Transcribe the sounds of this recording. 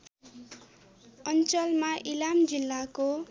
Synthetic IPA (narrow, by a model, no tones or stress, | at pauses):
ʌnt͡sʌlmaʔilamd͡zilːako